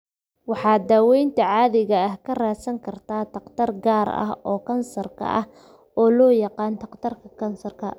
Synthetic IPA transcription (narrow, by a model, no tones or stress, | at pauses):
wɑħɑːd̪aːwɛjnt̪ʰɐʕɑːðɪɣɐɐhkʰɐraːsɐŋkʰɐrt̪ʰaːt̪ɐqt̪ʰɐrɡaːɾɐ̰hɔːkʰɐnsɐrkʰɐ̰ʔɐ̰h | ɔːlɔːjɑqɑːnt̪ɐqt̪ʰɐrkʰɐkʰɐnsɐrkʰɐ